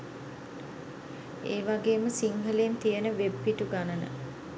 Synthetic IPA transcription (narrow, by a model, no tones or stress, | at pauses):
eːʋaɡeːməsiŋɦəleːnt̪ijənəʋebːiʈuɡanənə̰